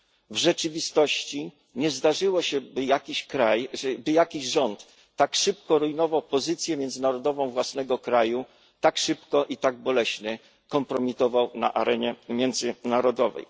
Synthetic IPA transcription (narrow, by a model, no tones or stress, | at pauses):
vʐɛt͡ʂɘvʲist̪ɔɕt͡ɕi | ɲɛzd̪aʐɘwɔɕɛbɘjakʲiɕkɾajbɘjakʲiʑʐɔnt̪ː | akʂɘpkɔɾujnɔvawpɔzɘt̪sʲjɛmʲjɛnd̪zɘnaɾɔd̪ɔvɔ̃w̃vwasnɛɡɔkɾaju | t̪akʂɘpkɔʔit̪aɡ̚bɔlɛɕnɛ | kɔmpɾɔmʲit̪ɔvawna̰ʔaɾɛɲɛmʲjɛnd̪zɘnaɾɔd̪ɔvɛ̰j